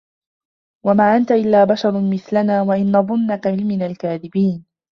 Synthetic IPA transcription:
wamaːʔant̪aʔɪlːaːbaʃɑɾˤmɪθlanaːwaʔɪnːɑðˤʊnːakaʕɪlmɪnalkaːðɪbiːn

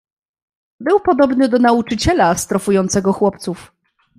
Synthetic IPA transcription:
bɘwpɔd̪ɔbnɘd̪ɔnaut͡ʂɘt͡ɕɛlast̪ɾɔfujɔnt̪sɛɡɔxwɔp̚t̪suf

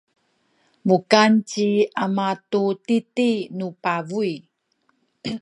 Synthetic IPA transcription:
mukant͡ɕiamatutitinupavui

